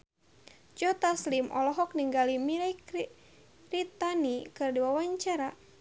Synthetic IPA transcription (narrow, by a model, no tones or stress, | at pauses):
d͡ʒɔt̪aslimʔɔ̰lɔɦɔk̚niŋɡalimilak | rit̪anikɨrdiwawaɲt͡ʃaɾa